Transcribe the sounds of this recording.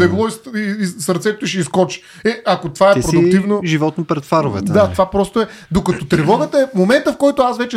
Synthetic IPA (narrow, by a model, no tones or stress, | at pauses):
ɛɡlˠɔisisɐɾt̪sɛt̪oiʃɛiskɔt͡ʃi̥ | ɛɐkot̪ovaɛpɾod̪ʊkt̪ivnoʒivɔt̪nopɾɛt̪faɾovɛ̰t̪d̪at̪ovapɾɔst̪oɛ | d̪okɐt̪ot̪ɾɛvɔɡət̪əɛmomɛnt̪əfkɔjt̪ʊasvɛt͡ʃɛ